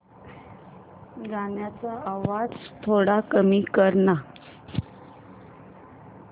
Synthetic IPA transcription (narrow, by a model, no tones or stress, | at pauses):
ɡaɳjat͡saaʋad͡zt̪ʰoɽakəmiːkəɾɳa